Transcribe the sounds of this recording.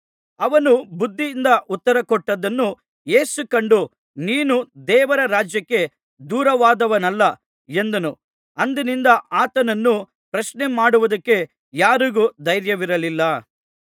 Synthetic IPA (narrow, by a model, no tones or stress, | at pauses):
ɐʋɐnubud̪ʱːiːnd̪ɐʔut̪ːɐɾɐkɔʈːɐd̪ɐnːu | je̞ːsukɐɳɖu | niːnud̪ɛːʋɐɾɐɾaːd͡ʒjɐkːe̞ | d̪uːɾɐʋaːd̪ɐʋɐnɐlːɐ | e̞nd̪ɐnu | ɐnd̪ɐnind̪ɐʔaːt̪ɐnɐnːu | pɾɐʃnemaːɽuʋud̪ɐkːe̞ | jaːɾuɡud̪ɐjɾjɐʋiɾɐlilːɐ